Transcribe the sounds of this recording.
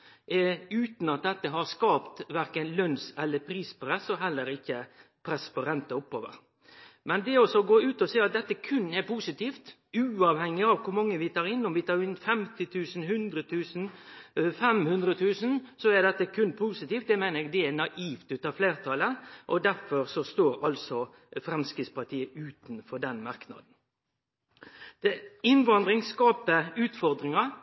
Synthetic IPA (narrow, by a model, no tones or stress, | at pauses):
ʔɛʉːt̪n̩ɑt̪̚d̪ɛt̪ːəɦɑɾskɑːpt̪ʋæɾkənlœnsɛlːəpʰɾiːspɾɛsɔɦɛlːəɾɪçːəpʰɾɛsːpɔɾɛnt̪əɔpːo̰ːʋə̰ɾ | mɛnd̪ɛɔsɔɡoːʉːt̪ɔseːɑt̪̚d̪ɛt̪ːəkʰʉnːɛɾpʰuːsɪt̪iːft̪ | ʉːɑʋhɛŋːɪɑʋkʰʊɾmɑŋːəʋɪt̪ʰɑːɾɪnːɔmʋɪt̪ʰɑːɾɪnfɛmt̪ɪt̪ʰʉːsn̩ɦʉnd̪ɾət̪ʰʉːsən̩fɛmhʉnd̪ɾət̪ʰʉːsənsɔɛd̪ɛt̪ːəkʰʉnpʰuːsɪt̪iːft̪d̪ɛmæɪnəɾɛɡ̚d̪ɛɛnɑʔiːft̪ʉːt̪ɑːfleːɾt̪ʰɑləʔɔd̪æɾfɔɾsɔst̪oːɾɑlsɔ | fɾɛmskɾɪːt̪spɑt̪ʰiːəʉːt̪ənfɔɖɛnmɑɾknɑ̰d̪n̩ | d̪̥ɛɪnʋɑnd̪ɾɪŋskɑːpəʉːt̪fɔɾd̪ɾɪŋɑ